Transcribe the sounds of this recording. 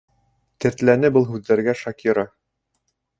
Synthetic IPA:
t̪ɘ̆ɾt̪lænɘbɤlˠɦʉðːæɾɡæʃɑkʲiɾɑ

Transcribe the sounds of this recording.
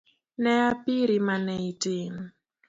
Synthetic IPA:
nɛapiɾimanɛitem

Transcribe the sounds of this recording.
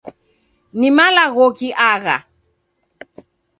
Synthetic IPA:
nimalaɣɔkiʔaɣa̰

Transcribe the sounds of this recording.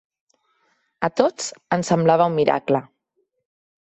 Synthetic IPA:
ət̪ot͡sənsəmblaβ̞əummːiɾa̰klə

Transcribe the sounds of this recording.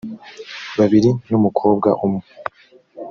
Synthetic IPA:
βaβiɾinumukʰo̞ːb̚ɡaʔumu

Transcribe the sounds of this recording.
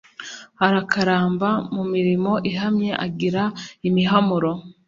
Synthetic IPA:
haɾakʰaɾaːmbamumiɾimo̞ʔiɦamɲe̞ʔaɡiɾaimiɦamuɾo̞

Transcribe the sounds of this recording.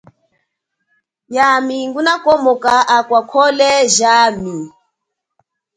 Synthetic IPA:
jamiŋɡunakɔmɔkaʔakwakʰɔlɛʒami

